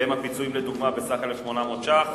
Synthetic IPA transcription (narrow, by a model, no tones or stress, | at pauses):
emhapit͡suimled̪uɡmabesaχelefʃmo̞namoːt̪t͡ʃa